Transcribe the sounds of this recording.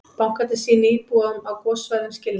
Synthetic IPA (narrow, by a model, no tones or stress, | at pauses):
pawŋ̥kat̪ɪsiːniːpuːaðʏmawkɔsvajðʏmscɪlɪ